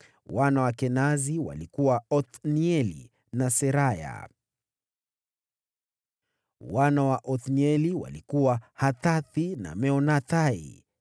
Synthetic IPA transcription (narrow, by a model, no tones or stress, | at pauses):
wanawakɛnaziwa̰likuwaɔθniɛlḭ | nasɛɾaja̰ | wanawaʔɔθniɛliwa̰likuwahataθina̰mɛɔnataḭ